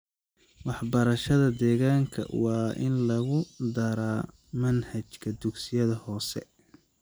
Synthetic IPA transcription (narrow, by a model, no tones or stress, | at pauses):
wɑħbɐɾɐʃɐðɐd̪ɛːɣaːŋkʰɐ̰wɑːʔɪ̰nlɐɣʊd̪ɐɾaː | mɐnhɐt͡ʃkʰɐd̪ʊɡsɪjɐðɐhɔːsɛ̰